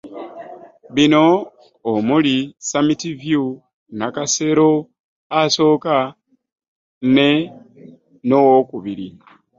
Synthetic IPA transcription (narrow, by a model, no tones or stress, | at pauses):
βino̞ː | mulisamitivju | nakase̞ɾo̞ | aso̞ːka | ne | nowokuβiɾi